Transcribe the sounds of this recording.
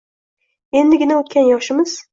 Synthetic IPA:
e̞nd̪ɪɡʲɪnaot̪kʲanjɒʃɪmɪz̥

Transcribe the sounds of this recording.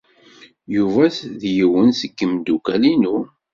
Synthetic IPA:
juvæsðjəwənsəkːəmd̪ukælinu

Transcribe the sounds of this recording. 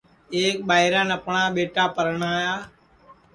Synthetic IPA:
eːk̚ɓaːɪɾãːnəpɳaːɓeːʈaːpəɾəɳaːjaː

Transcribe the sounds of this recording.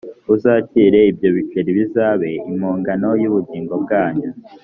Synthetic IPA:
uzaːciɾe̞ibjo̞βit͡ʃeɾiβizaːβe̞imoːŋɡano̞juβuɟiːŋɡo̞b̚ɡaːɲu

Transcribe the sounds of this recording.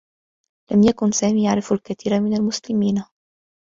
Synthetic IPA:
lamjakʊnsaːmiːjaʕɾˤɪfalkat̪iːɾamɪnalmʊslɪmiːn

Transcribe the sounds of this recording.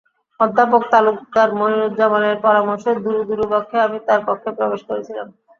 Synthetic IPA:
ɔd̪ʱːap̬ok̚t̪alukːaɾmoɦiɾud̪̚d͡ʑamaneɾpɔɾamoɾʃed̪uɾud̪uɾubɔkʰːeamit̪aɾpɔk̪ʰːepɾobeʃkoɾet͡ɕʰilam

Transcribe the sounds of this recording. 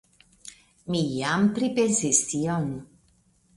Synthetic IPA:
mijampɾipensestiɔnu

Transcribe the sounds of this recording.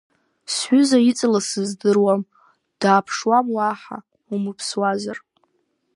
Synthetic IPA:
sħʷʏzait͡sʼɨlasɨzdɨrwam | d̥aːpʰʂwamwaːħa̰ | umɨpʰswazar

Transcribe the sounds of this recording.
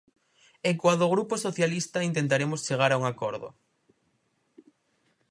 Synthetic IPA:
eŋkwaðoɣ̞ɾuposoθjalist̪aint̪̬ent̪aɾemʊst͡ʃeɣ̞aɾauŋakɔɾðo̰

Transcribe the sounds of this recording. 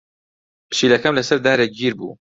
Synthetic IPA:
pʰɨ̥ʃiːlɐkɐmlɐsɐɾd̪aːɾek̚d͡ʒiːɾbṵː

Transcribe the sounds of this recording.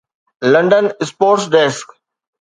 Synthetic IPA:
lɐ̃ɳɖənɪspoːɾʈsɖeːsk

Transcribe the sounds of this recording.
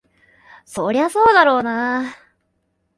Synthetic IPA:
soɾeβaso̞ːd̪aɾo̞ːna

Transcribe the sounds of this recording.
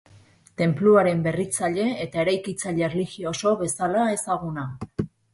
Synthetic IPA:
t̪e̞mpluaɾe̞mbe̞rit͡saʎe̞ːt̪ae̞ɾajkit͡saʎerliɣioso̞βe̞salae̞saɣ̞una

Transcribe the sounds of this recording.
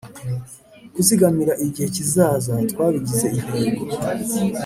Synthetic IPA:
ɡ̥usiɡamiɾaʔiɟihe̞cizaːzatwaːβiɟize̞ihaːɡo

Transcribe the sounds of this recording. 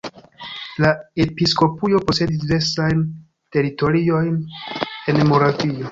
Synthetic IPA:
lae̞pisko̞pujo̞po̞se̞disdive̞ɾsajn | te̞ɾito̞ɾio̞jne̞nmo̞ɾavio̞

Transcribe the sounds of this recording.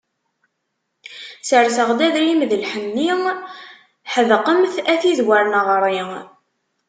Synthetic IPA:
səɾsəʁd̪æðɾimðəlħənːi | ħəðqəmθæθizwaɾnəʁɾˤi

